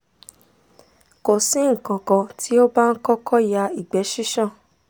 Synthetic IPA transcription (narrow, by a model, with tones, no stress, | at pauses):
ko˨sĩ˨˦ŋ̩˨kã˨kã˧ti˦o˦ba˦n̩˦kɔ˦kʰɔ˦ja˧i˨ɡ͡bɛ˨˦ʃi˦ʃã˦˨